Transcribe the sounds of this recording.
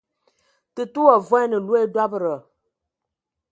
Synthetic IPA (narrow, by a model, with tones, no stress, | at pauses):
tɨ˨tu˦a˨vwɔ˦nɨ˨lu˦e˦da˦bə˨ɾə˨